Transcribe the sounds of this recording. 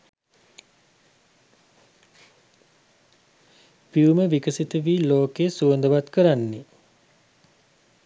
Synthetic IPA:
piuməʋikəsit̪əʋiːloːkesuənd̪əʋat̪kəɾanːe

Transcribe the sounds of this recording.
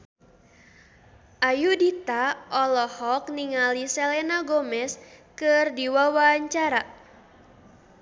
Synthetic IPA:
ʔajudit̪aʔɔlɔhɔk̚niŋalisɛlɛnaɡɔmɛskɨrdiwawaɲt͡ʃaɾa

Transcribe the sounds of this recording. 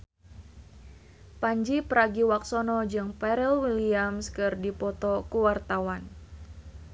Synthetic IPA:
paɲd͡ʒipəɾaɡiwaksɔnɔd͡ʒɨŋpɛɾɛlwiliamskɨrdipɔt̪ɔkuwart̪awan

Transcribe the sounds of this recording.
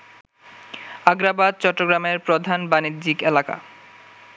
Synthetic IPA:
aɡɾabad̪̚t͡ɕɔʈːoɡɾameɾpɾod̪ʱanbanid̪d͡ʑikelaka̰

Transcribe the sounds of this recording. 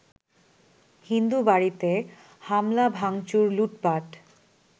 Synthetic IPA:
hind̪ubaɾit̪e | hamlabʱaŋt͡ɕuɾluʈpaʈ

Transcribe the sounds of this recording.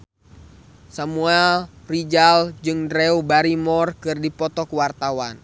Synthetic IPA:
samuɛlrid͡ʒald͡ʒɨŋdɾɛubaɾimɔrkɨrdipɔt̪ɔkuwart̪awan

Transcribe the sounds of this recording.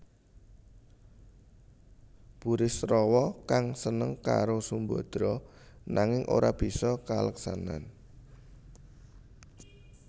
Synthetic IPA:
b̥uɾɪsɾɔwɔkaŋsənəŋka̰ɾosumbɔd̪̥ɾɔnaŋɪŋʔo̰ɾab̥i̤sɔkaləksana̰n

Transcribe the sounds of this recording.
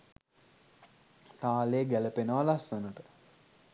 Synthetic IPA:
t̪aːleːɡæləpenəʋalasunuʈə

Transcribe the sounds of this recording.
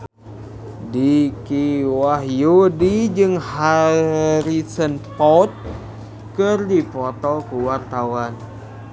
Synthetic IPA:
dikiwaɦjudid͡ʒɨŋha | ɾisənpɔt̪̚ | kɨrdipɔt̪ɔkuwart̪awan

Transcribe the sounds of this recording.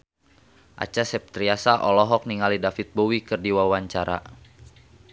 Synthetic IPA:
ʔa̰t͡ʃasɛp̚t̪ɾiasaʔɔlɔɦɔk̚niŋalidafit̪̚bowikɨrdiwawaɲt͡ʃaɾa̰

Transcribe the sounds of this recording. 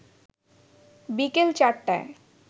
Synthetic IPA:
bikelt͡ɕaʈːae

